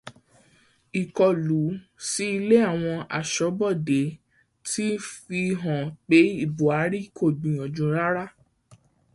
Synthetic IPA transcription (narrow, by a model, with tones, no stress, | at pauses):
i˨kɔ˨lu˨˦ | si˦i˧le˦a˦˨w̃ɔ̃˧a̰˨ʃɔ˨˦bɔ˦˨de˨˦ | ti˦fi˧ɦɔ̃˨k͡pe˨˦i˦˨bu˨a˨˦ɾi˦kʰo˦˨ɡ͡bĩ˨ɔ̃˨d͡ʒũ˨˧˦ɾa˦ɾa˦˨